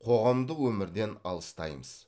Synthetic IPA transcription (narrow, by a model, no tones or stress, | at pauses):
qʰo̞ʁɑmd̪əwɵmɪɾd̪e̞nɑ̰lˠəst̪ɑjməz̥